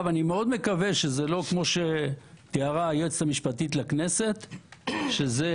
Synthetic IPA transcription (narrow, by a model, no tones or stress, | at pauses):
vanimeo̞d̪me̞kave̞ʃezelo̞kmo̞ʃet̪iaʁaːjet͡samiʃpat̪it̪lakne̞se̞t̪ʃeze